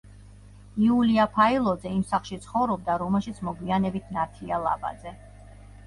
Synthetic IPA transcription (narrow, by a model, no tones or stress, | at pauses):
iuliapʰailˠɔd̪zɛimsaχlˠʃit̪sʰχɔvɾɔb̚d̪aɾɔmɛlˠʃit̪sʰmɔɡwianɛbit̪ʰnat̪ʰialˠa̰ba̰d̪zɛ